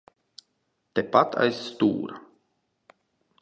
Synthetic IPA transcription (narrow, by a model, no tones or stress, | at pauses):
t̪epat̪ʰa̰jst̪ṵːɾa